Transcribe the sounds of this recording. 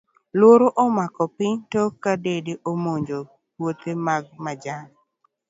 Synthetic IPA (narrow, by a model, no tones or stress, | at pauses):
lwoɾoʔɔmakɔpɪɲtɔkadedeʔomoɲd͡ʒo | wot̪emaɡ̚mad͡ʒan